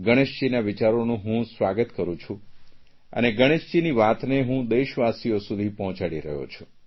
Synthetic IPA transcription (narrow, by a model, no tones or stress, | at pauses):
ɡəɽ̃eʃd͡ʒinaʋit͡ʃaɾonũɦũsʋaɡət̪kəɾũt͡ʃʰũ | ə̰neɡəɽ̃eʃd͡ʒiniʋat̪neɦũd̪eʃʋasijosud̪ʱipɔɦɔ̃t͡ʃaɽiɾə̰ɦjo̰t͡ʃʰũ̥